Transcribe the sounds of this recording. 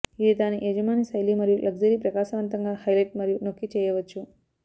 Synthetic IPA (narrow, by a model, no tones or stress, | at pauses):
id̪id̪aːniʔed͡ʒɐmaːnisɐjlimɐɾijulʔɐɡd͡ʒɐɾiːpɾɐkaːʃɐʋɐnt̪ɐŋɡaːhɐjlɐjʈ̚mɐɾijuno̞kːit͡ʃɛːjɐʋɐt͡ʃːu